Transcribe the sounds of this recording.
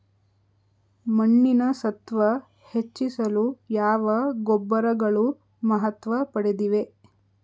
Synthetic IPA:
mɐɳːinɐsɐt̪ʋɐ | het͡ʃːisɐlujaːʋɐɡɔbːɐɾɐɡɐɭu | mɐɦɐt̪ʋɐpɐɽid̪iʋe

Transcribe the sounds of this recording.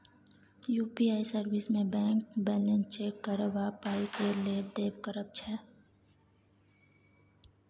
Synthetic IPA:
juːpiaːisəɾʋɪsmẽbɛ̃ːŋkbɛːlə̃nt͡ʃeːkːəɾʋapaːikeleːbd̪eːbkəɾəb̚t͡ʃʰɛ

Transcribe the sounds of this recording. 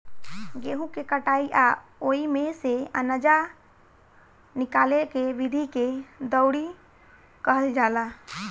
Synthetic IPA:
ɡeɦũkekəʈaiʔaoimeseə̰nəd͡ʒa | nikalekeʋid̪ʱiked̪əwɽi | kəɦəld͡ʒala

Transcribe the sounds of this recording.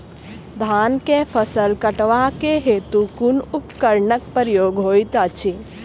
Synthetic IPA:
d̪ʱaːnkepʰəsəlkəʈʋakeɦeːt̪ukunupkəɾɳək̚pəɾjoːɡɦoːjt̪at͡ʃʰi

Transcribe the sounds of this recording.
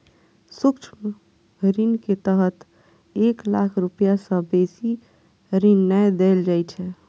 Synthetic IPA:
sukt͡ʃʰm | ɾinket̪əɦət̪ | eklakʰɾupjasə̃besi | ɾinːɛjd̪eld͡ʒajt͡ʃʰɛ

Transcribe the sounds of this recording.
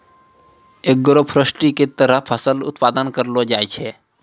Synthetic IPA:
eːk̚ɡəɾopʰɾəsʈiket̪əɾəɦpʰəsəlʊ̰t̪paːd̪ənkəɾlod͡ʒaːet͡ʃʰe

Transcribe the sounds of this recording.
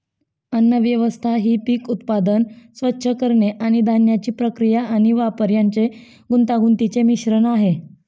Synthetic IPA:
ənːəʋjəʋəst̪ʰaɦiːpiːkut̪pad̪ənsʋətːɕʰəkəɾɳeʔaɽ̃id̪ʱanjat͡ɕiːpɾəkɾijaːɽ̃iʋapəɾjaɲt͡se | ɡunt̪aɡunt̪it͡semiɕɾənaɦe

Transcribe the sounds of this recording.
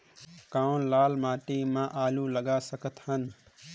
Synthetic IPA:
kãːwnlaːlmaːʈemãʔaːluləɡasəkət̪ɦən

